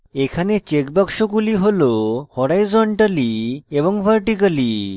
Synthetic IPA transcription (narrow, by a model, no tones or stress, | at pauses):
ekʰanet͡ɕekbaksokuliɦolohɔɾajzɔɳʈəliebɔŋbʱəɾʈikəli